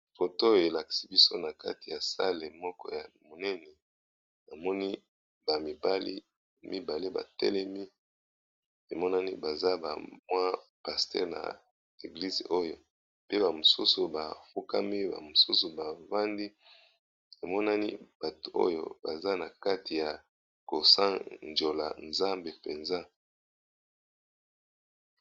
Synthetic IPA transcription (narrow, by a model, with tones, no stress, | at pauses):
fo˨to˦jo˨e˨la˨ki̥˨si˦bi˦so˦na˨ka̰˦ti˨ja˨sa̰˦le˨mɔ˦kɔ̰˦ja˨mo˨nɛ˦nɛ˨ | na˨mɔ˦ni˦ | ba˨mi˨ba˦lḭ˦ | mi˦ba˨le˦ba̰˨tɛ̰˦lɛ˦mi˦ | e˨mɔ˦na˦ni˦ba˨za˦ba̰˨mwa˦pa˨stɛ̰˦˨ʁna̰˨ | e˨ɡli˦zḛ˨ʔo˦jo˦ | pe˦ba˨mo˨su˦su˨ba˨fu˦ka˦mi˦ba̰˨mo˨su˦su˨ba˨va˦ndi˦ | e˨mɔ˦na˦ni˦b̥a˨to˨ʔo̰˦jo̰˦˨ba˨za˦na˨ka˦ti˨ja˨ | ko˨sa˦nd͡ʒo˨la̰˨nza˦mbe˨pe˨nza˦